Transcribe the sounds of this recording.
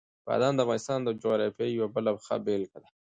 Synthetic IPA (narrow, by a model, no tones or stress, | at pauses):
bɑ̰d̪ɑnd̪əafvɣɑnɪst̪ɑnd̪əd͡ʒoɾɑfjajwabəlabxa̰belkad̪a